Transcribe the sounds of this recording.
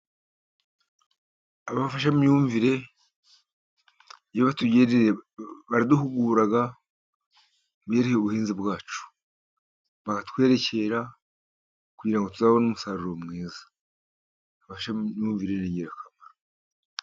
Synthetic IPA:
aβaβfaʃamjuːɱviɾe̞ | joβatuɟeɾiβaɾiduhuɡuːɾaɡa | bjeːɾiheβuhiːnzibwaːt͡ʃu̥ | βakatwe̞ːɾe̞ce̞ɾa | kuɟiɾaŋɡo̞tuzaβonumusaːɾuɾo̞mŋiːzḁː | βafaʃauːɱviɾeniɟeɾakamaɾa

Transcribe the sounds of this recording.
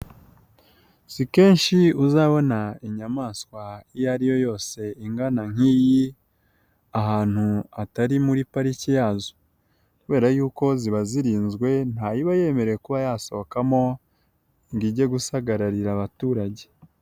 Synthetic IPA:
sike̞ːnʃiuzaβo̞naiɲamaːskwaijaɾijo̞jo̞ːse̞iŋɡanaŋ̥iːji | aɦaːn̥huataɾimuɾipaɾicijaːzo̥ | kuβe̞ːɾajuːko̞ziβaziɾiːnzɡwe̞n̥hajiβaje̞ːme̞ɾejekuβajaːso̞kamo̞ | ŋɡiɟe̞ɡusaɡaɾaɾiɾaβatuːɾaɟe̞̥

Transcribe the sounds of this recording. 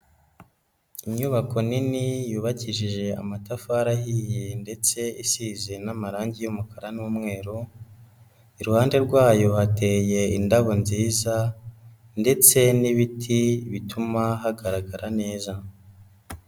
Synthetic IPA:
iɲuβako̞ninijuːβaciʒiʒe̞a̰matafaaɾaɦijende̞t͡se̞isize̞namaɾaːɲɟijomukaɾanuːmŋe̞ːɾu | iɾuhaːnde̞ɾɡwaːjo̞hate̞ːje̞indaβo̞nziːza | nde̞t͡se̞niβitʰiβitʰumaɦaɡaɾaɡaɾane̞ːza

